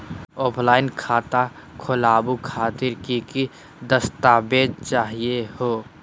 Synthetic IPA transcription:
ɔːpʰlaːɪnkʰaːt̪akʰʊlaːbukʰaːt̪ɪɾkiki | d̪əst̪aːbeːd̪̚t͡ʃaːɦiehoː

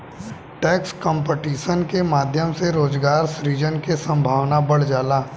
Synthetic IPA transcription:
ʈɛːkskɔ̃mpeʈiːʃənkemaːd̪ʱjəmseɾoːzɡaːɾsɾiːd͡ʒənkesɐ̃mbʱaːʋnabɐɽ̤d͡ʒaːlaː

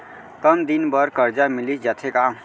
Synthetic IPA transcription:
t̪ənd̪inbʌɾkəɾd͡ʒamilid͡ʒat̪ʰeka

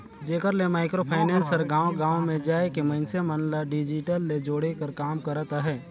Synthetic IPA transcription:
d͡ʒeːkəɾlemaːɪkɾopʰaːɪnɛ̃ːnsəɾɡaːwɡãːwmẽd͡ʒaːekimɐɪnsemənlaɖɪd͡ʒɪʈəlːed͡ʒoːɽekəɾkaːmkəɾət̪ɦɛː

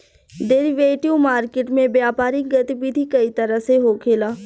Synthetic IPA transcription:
ɖeɾiʋeːʈjumaːɾkɪʈmẽbjaːpaːɾik̚ɡɐt̪iʋid̪ʱikɐit̪ɐɾəseɦoːkʰeːlaː

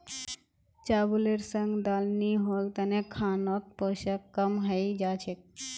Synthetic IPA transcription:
t͡ʃabuleɾsəŋɡd̪alniɦolt̪ənekʰanot̪̚poʃakːəmɦəjd͡ʒat͡ʃʰek̚

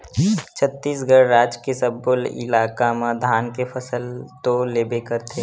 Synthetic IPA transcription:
t͡ʃʰət̪ːiːsɡəɾːaːd͡ʒkesəbʊlɪ̰laːkamãd̪ʱaːnkepʰəsəlt̪oleːbekəɾt̪ʰe

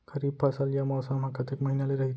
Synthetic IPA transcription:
kɐɾiːb̚pɐsaljamaʋsam̤akat̪ekmɐɦinaleɾɐɦit̪

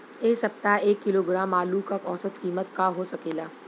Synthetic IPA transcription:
eːsɐp̚t̪aeːkːɪloːɡɾaːmaːlukɐkɔːsət̪kiːmət̪kaɦosɐkeːlaː

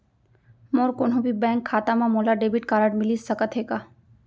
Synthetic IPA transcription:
moɾkonɦõbʱibɛ̃ːŋkʰːaːt̪amãmoːlaɖebiʈkaːɾəɖmɪlisəkət̪ɦeːɡaː

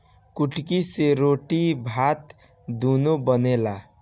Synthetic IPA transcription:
kuʈkiseɾoʈibʱat̪ | d̪unobʌnela

